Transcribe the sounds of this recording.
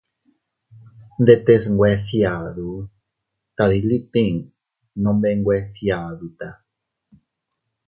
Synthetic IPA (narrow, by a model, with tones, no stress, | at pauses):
nd̪e˧t̪e˧sŋɡwe˧θja˨ðu˨ | ka˨ði˧li˦t̪ĩ˦˧ŋ | nõ˧mbe˦˧ŋɡwe˦θja˨ðut̪a˨